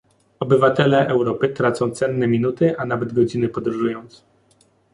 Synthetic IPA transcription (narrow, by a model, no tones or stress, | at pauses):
ɔbɘvat̪ɛlɛʔɛwɾɔpɘt̪ɾat̪sɔ̃w̃t̪sɛnːɛmʲinut̪ɘʔanavɛd̪ɡɔd͡ʑinɘpɔd̪ɾuʐujɔ̃nt̪s